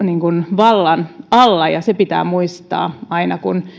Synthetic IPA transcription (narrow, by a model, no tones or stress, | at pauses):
niŋkunʋɑlːɑnɑlːɑjɑsepit̪æ̰ːmuist̪ɑ̰ːɑinɑkun